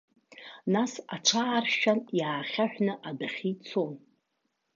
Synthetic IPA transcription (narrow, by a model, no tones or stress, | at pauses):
nasat͡ʃʷʰaːrʃanjaːχʲaħᶣnɨʔadaχʲit͡sʰon